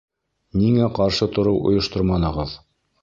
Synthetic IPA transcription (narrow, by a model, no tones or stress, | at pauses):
niŋæqɑɾʃɤt̪ŏɾɤwʔŏ̰jɤ̆ʃt̪oɾmɑnɤ̆ʁɤð